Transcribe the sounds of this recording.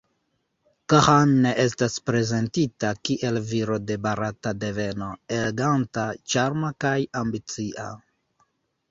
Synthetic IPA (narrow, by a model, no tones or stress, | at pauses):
kahanːeʔe̞s̬taspɾe̞ze̞ntitakiʔe̞lviɾo̞de̞baɾatade̞ve̞no̞e̞leɡantat͡ʃaɾmakajambit͡siʔa̰